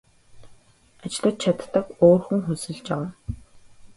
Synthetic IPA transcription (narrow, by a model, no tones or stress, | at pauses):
at͡ɕɪ̆ɮə̆t̪̚t͡ɕʰat̪ːə̆koːrxŭŋxusɘ̆ɮt͡ɕawaːn